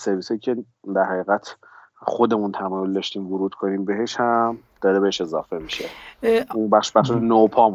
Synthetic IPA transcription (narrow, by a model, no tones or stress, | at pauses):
se̞ɾviːsɒːiːcʰe̞ | d̪æɾhæɣiːɣæt̪ʰ | xod̪e̞munt̪ʰæmɔːjold̪ɒʃt̪iːmɡuɾuːt̪kʰo̞niːmbe̞ɦe̞ʃhæmd̪̥ɒːɾebeeʃe̞zɒ̰ːfe̞miʃeumbæχʃbæχʃenopʰɒːm